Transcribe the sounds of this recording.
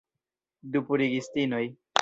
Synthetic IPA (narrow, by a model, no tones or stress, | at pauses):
d̪upuɾiɡist̪inoj